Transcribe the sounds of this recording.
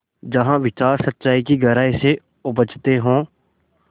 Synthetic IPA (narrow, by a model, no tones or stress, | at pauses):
d͡ʒəɦãːʋɪt͡ʃaːɾsət̪ːʃaːiːkiɡəɾaːɪse | ʊbət͡ʃt̪eɦõː